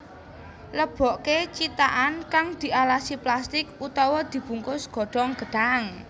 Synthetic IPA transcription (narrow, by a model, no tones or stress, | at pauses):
ləb̥ɔʔket͡ʃit̪aʔankaŋd̪̥i̤ʔalasiplast̪ɪkut̪ɔwɔd̪̥i̤b̥ṳŋkʊsɡ̥ɔ̤ɖ̥ɔŋɡ̥ə̤ɖ̥aŋ